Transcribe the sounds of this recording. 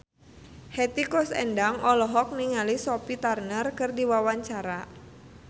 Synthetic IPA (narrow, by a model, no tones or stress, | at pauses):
hɛt̪ikɔsɛ̰ndaŋʔɔlɔɦɔk̚niŋalisɔpit̪arnərkɨrdiwawaɲt͡ʃaɾa